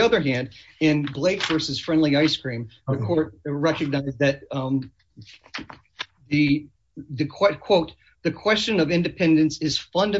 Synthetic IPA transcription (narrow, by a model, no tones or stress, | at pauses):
ʌðə˞ɦæ̃nd | ɪ̃nbleɪkv̥ɜ˞sɨz̥fɹɛ̃ndˡliaɪskɹ̥ĩmðɨkʰɔɹt̚ɹɛkɨɡ̚naɪzðɨt̪̚ | ðɨ | ðɨkʰw̥ɛt̚kʰw̥oʊt̪̚ | ðɨkʰw̥ɛst͡ʃɨ̃nʌvɪ̃ndɨpʰɛ̃ndɨ̃nsɨz̥fʌ̃ndɨ